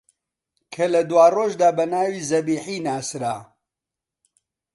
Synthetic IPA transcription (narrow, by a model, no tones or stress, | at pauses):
kʰɐlɐd̪waːroːʒd̪aːbɐnaːwiːzɐbiːħiːnaːsɾaː